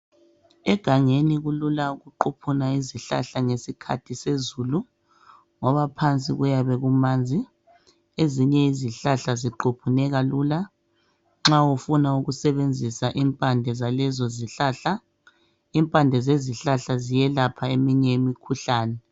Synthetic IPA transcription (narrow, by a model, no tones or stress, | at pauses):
ɛɡ̥ʱaŋeniɣululauɣuǃupʰunaiziɬa̰ɬaŋesikʰa̰tʰisezuːlu | ŋɔβapʰant͡sʼḭɣujaβɛɣumaːnd͡zʱi | eziɲɛiziɬaɬaziǃopʰunɛɣaluːla | ŋ͡ǁawufunauɣusɛβend͡zʱisaʔimpʼandʱɛzalɛzɔziɬaːɬa | impʼandʱɛzeziɬaɬazijɛlapʰaemiɲɛemikʰuɬaːnɛ